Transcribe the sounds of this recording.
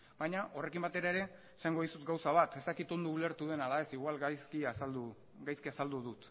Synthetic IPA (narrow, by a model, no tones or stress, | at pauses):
bajɲaʔo̞re̞kimbat̪e̞ɾaeɾe̞ | saŋɡo̞ðisut̪̚ɡawsaβ̞at̪e̞st̪akit̪o̞nd̪uːle̞ɾt̪uð̞e̞nalae̞siɣwalajskiasald̪u | ɡajskiasald̪uðut̪